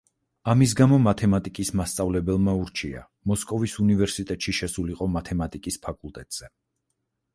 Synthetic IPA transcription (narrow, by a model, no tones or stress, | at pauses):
amis̬ɡamɔmat̪ʰɛmat̪ʼikʼismast̪sʼavlɛbɛlˠmauɾt͡ʃʰia̰ | mɔskʼɔvisunivɛɾsit̪ʼɛt̪ʼʃiʃɛsuliqʼɔmat̪ʰɛmat̪ʼikʼispʰakʼulˠt̪ʼɛt̪ʼz̥ɛ